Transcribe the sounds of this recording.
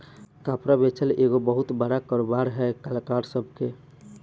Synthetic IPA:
kapɾabet͡ʃʰəleɡobəɦut̪bəɽakəɾobaɾɦɛkalkaɾsəbʱke

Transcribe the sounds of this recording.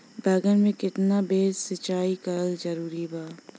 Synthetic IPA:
bɛːɡənmẽkɪt̪nabeːzsɐt͡ʃaːikɐɾəlzɐɾuːɾibaː

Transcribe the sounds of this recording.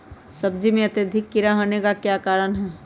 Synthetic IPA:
sɐb̚d͡ʒimẽɐt̪ed̪ʱɪkːiɾaɦonekakjaːkaːɾənɦɛː

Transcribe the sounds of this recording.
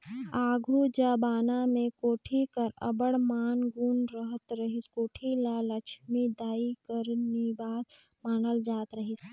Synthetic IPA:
aːɡʱud͡ʒəːbaːnamẽkoːʈʰikəɾə̰bəɽmaːnɡuːnɾəɦət̪ɾəɦiskoːʈʰilalət͡ʃʰmed̪aːikəɾnibaːs | maːnəld͡ʒaːt̪ɾəɦis

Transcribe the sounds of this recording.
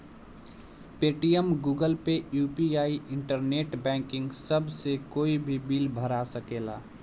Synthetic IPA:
peːʈijəmɡuːɡəlpejuːpiaːiʔɪ̃ɳʈəɾneːʈbɛ̃ːŋkɪ̃ŋɡsəbʱsekoːibʱibiːlbʱəɾasəkeːla̰ː

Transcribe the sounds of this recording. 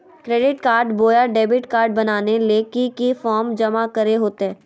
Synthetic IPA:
kɾeːɖɪʈkaːɾɖboːjaɖeːbɪʈkaːɾɖ̚bɐnaːneleːkikifɔːɾmd͡ʒɐmakɐɾeɦoːt̪eɦɛː

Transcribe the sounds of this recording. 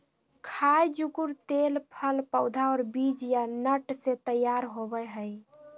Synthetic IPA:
kʰajd͡ʒukuɾt̪elpʰəlpəwd̪ʱaɔːɾbid͡ʒjanəʈset̪əjːaɾɦobɛɦəj

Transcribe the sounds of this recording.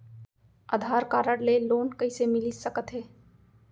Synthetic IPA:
ə̰d̪ʱaːɾkaːɾəɽleloːnkəisemɪlisəkət̪ɦeː

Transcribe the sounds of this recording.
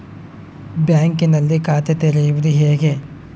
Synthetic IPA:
bjaːŋkinɐlːikaːt̪ʰet̪eɾejuʋud̪uɦeːɡe̞

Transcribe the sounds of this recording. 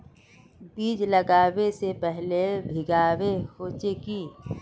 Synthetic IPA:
biːd͡ʒlɐɡaːwesepɛɦlebʱɪɡaːwehoːt͡ʃeki

